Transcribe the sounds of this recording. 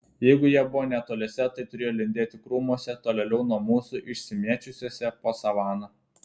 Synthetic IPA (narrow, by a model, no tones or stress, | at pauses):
jɛɪɡʊjiɛbʊʋoːnʲɛt̪oːlʲeːsʲɛt̪ɐɪt̪ʊɾʲeːjoːlʲɪnʲd̪ʲeːt̪ʲɪkɾuːmuɔsʲɛt̪oːlʲɛlʲɛʊnuɔmuːsuʔɪʃʲsʲɪmʲiɛt͡ʃʲʊsʲuɔsʲɛpoːsɐʋɑːnoː